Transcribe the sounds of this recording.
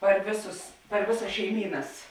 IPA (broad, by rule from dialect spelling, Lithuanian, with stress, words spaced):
pɐr ˈʋʲeːˌsʊs pɐr ˈʋʲeːˌsɐs ʃʲɛɪˈmʲiːnɐs